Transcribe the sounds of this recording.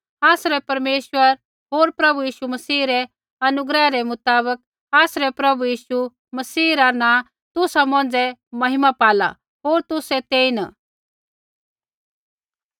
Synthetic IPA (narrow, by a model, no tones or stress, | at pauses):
aːsɾɛpɐɾmeːʃwəɾ | ɦoːɾpɾɐbujiːʃumɐsiːɾɛ | ɐnʊɡɾɛɾɛmʊt̪aːβək̚ | aːsɾɛpɾɐbujiːʃu | mɐsiːɾanã | t̪ʊsamɔ̃ːnd͡zɛmɐɦɪmapaːla̰ | ɦoːɾt̪ʊsɛt̪eːin